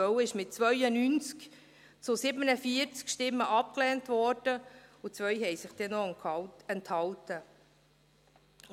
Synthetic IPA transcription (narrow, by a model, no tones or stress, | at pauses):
œwɪʃmɪt̚t͡svœʏənyːnt͡sk | t͡sʊsɪbənəfiəɾt͡skʃtɪmːəʔɑp̚klɛːntvɔɾd̥əʊt͡sʋœjhɛjsɪχd̥ɛnɔɛnthɑltə